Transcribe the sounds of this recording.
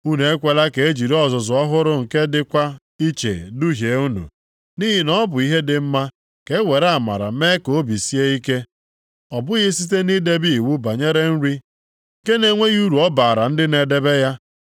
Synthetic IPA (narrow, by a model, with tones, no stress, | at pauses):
u˦ne˨e˦kʷe˨la˦ke˨e˦d͡ʒi˨ɾɔ˦˨zʊ˨zʊ˨ɔ˦ɦʊ˦ɾʊ˦ŋ̩˨ke˦dɪ˦kʷa˦ | i˦t͡ʃḛ˨du˦ɦje˨˦u˦nṵ˨ | ni˦ɦi˨nɔ˦bʊ˨i˦ɦe˦dɪ˨m̩˦ma˦ | ke˦we˨ɾa˦a˨ma̰˨ɾa̰˨me˦ko˨˦bi˨si˦e˦i˦ke˦ | ɔ˨bʊ˦ɣɪ˦si˦t̬e˦ni˦de˦bi˦i˨wu˦ba˨ɲe˦ɾe˦n̩˦ɾi˦ | ŋ̩˨ke˦ne˨ŋʷe˦ɣu˦ɾu˨ɔ˦ba˨ɾa˨n̩˦dɪ˦ne˨de˨be˦ja˦